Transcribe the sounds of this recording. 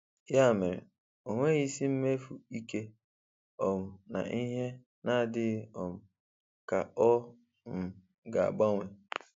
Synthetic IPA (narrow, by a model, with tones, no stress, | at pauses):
ja˦˨me˨ɾḛ˨ | o˨ŋʷe˦ɣi˦si˦m̩˦me˦fu˨i˦ke˦ | ɔ˨mʊ˨na̰˨ʔi˦ɦe˦ | na˦˨dɪ˦ɔ˨mʊ˨ | ka̰˨ɔ˦ | m̩˨ | ɡa˨a̰˨ɡ͡ba˦ŋʷe˨